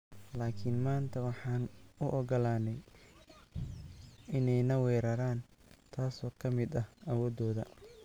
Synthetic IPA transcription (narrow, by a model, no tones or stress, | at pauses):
laːkʰɪnmaːnt̪ʰɐwɑħɑːnʊʔɔɡɔlaːnɛj | ʔɪnɛjnɐwɛːɾɐɾaːn | t̪ʰaːsɔːkʰɐmɪd̪ɐhɐwɔːd̪ɔːðɐ̰